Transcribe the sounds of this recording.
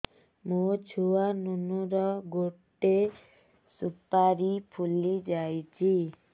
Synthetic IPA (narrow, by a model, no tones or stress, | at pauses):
mũt͡ʃʰuanunuɾɔɡoʈe | supaɾipʰulid͡ʒajt͡ʃʰi